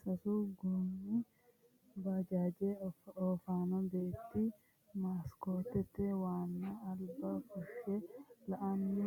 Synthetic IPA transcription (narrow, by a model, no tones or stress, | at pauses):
sɐsuɡoːni | bad͡ʒaːd͡ʒeːoːfaːnɔbeːt̪ːi | maːskoːt̪ːɛt̪ːɛwaːnːaːlbɐfʊʃɛlɐʔɐnːi